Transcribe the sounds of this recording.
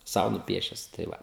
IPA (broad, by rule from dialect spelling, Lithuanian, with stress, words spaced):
ˈsɐʊ nʊˈpʲiɛʃʲɛs tɐɪ ˈʋɐ